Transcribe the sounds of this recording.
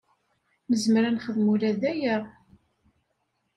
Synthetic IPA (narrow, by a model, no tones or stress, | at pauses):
məzmɾænχəðmulæðæjæ